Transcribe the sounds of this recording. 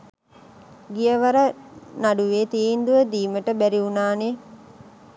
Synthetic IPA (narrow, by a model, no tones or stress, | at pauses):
ɡijəʋaɾənaɖuʋeːt̪iːnd̪uʋəd̪iːməʈəbæɾiunaːne